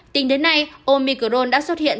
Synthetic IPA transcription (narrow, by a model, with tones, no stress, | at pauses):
t̪ï˨˦ŋɗe˨˦nːa˧jʔo˧mi˧˩kə˧˩ɗo˧nɗa̰ː˧˥swə˦˥t̚hḭ˧˨ən